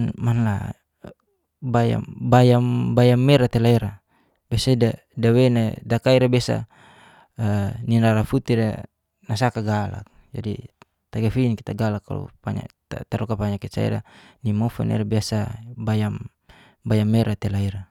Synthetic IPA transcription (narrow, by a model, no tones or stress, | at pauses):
nmanla̰ | baja̰mbajambajamːeɾat̪elaiɾa | b̥esada | dawenadakaiɾabesa̰ | ninaɾafut̪iɾa | nas̬akaɡala̰k̚ | d͡ʒa̰dḭ | t̪aɡafiːnkit̪aɡalakːa̰lṵpa̰ɲa̰t̪at̪aɾɔkapaɲakit͡ʃa̰ḭɾa̰nimofɛ̰nʔɛ̰ɾabiasabajam | bajamːeɾat̪elaiɾa